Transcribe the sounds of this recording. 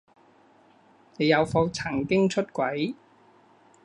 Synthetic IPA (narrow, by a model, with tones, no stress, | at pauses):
ne˨˧jɐ˨˧wfo˧wt͡sʰɐ˨˩ŋkɪ˥ŋt͡ʃʰɵ˥t̚kʷɐ˨˥j